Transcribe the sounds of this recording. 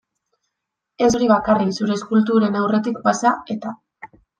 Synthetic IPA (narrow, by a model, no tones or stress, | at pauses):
e̞so̞ɾiβakariksuɾe̞ːskult̪uɾe̞nawre̞t̪ikpasae̞t̪a